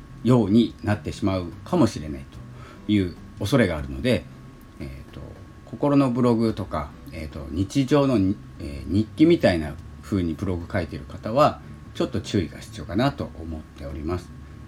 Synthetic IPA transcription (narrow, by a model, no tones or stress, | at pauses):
jo̞ːɲ̟inat̪ːe̞ɕimaɯ̟kamo̞ɕiɾe̞nait̪o̞̥ | jɯ̟ː | o̞so̞ɾe̞ɡaːɾɯ̟no̞d̪e̞ | et̪o̞̰ | ko̞ko̞ɾo̞no̞bɯ̟ɾo̞ɡɯ̟t̪o̞ka | eːt̪o̞̰ɲ̟it͡ɕiʑo̞ːno̞ | ḛːɲ̟ikʲːimʲit̪ainaɸɯ̟ːɲ̟ibɯ̟ɾo̞ɡɯ̟kait̪eɾɯ̟kat̪aβ̞a | t͡ɕo̞t̪ːo̞t͡ɕɨːiɡa̰ɕi̥t͡sɨjo̞kanat̪o̞ʔomo̞t̪ːe̞o̞ɾʲimasɨ̥